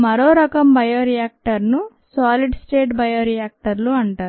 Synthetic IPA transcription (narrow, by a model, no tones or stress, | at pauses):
mɐɾoːɾɐkɐmbɐjoːɾijaːk̚ʈɐɾnu | saːliɖsʈeːʈbɐjoːɾijaːk̚ʈɐɾluɐɳʈaːɾu